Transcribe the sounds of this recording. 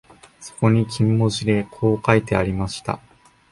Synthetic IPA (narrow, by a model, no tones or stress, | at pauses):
so̞̥ko̞ɲ̟ikʲʰĩmːo̞ʑid̪e̞kʰo̞ːkait̪e̞aɾʲimaɕi̥t̪a̰